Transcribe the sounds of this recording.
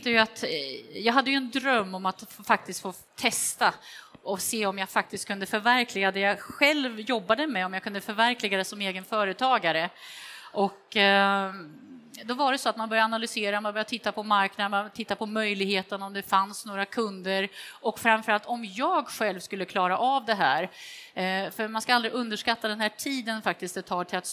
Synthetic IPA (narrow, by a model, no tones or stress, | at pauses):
t̪ːəjat̪jɑːɡɦad̪ːəjɵɛnd̪ɾœmːɔmat̪fak̚t̪ɪst̪foː | t̪ʰɛst̪aɔseːɔmjaɡfak̚t̪ɪst̪̚kʰɵnd̪əfœɾvæɾkʰlɪɡad̪ɛjaɧɛlvjɔbːad̪əmɛɔmjakʰɵnd̪əfœɾvæɾkʰlɪɡad̪əsɔmeːɡənfœːɾət̪ʰɑːɡaɾəʔɔk | d̪ɔvaɾɛsɔat̪manbœɾjaːnalʏseːɾamanbœɾjat̪ʰɪt̪ːapʰɔmaɾknad̪t̪ʰɪt̪ːapʰɔmœjlɪɡheːt̪ənɔmd̪ɛfansnoːɾakʰɵnd̪əɾʔɔkfɾamfœɾalt̪ɔmjɑːɡɧɛlvskɵlːəkʰlɑːɾaʔavd̪ɛɦæːɾ | fœɾmanskaald̪ɾɪʔɵnd̪əʂkat̪ːad̪ɛnhæːʈʰiːd̪ənfak̚t̪ɪst̪̚d̪ɛt̪ʰɑːʈʰɪlat̪